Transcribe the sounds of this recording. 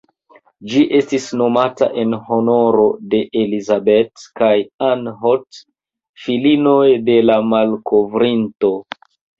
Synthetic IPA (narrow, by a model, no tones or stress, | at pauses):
d͡ʒiʔe̞stisno̞mata̰ʔe̞nho̞no̞ɾo̞de̞ʔelizabe̞tkajanɦot | filino̞jde̞lamalkʰo̞vɾinto̞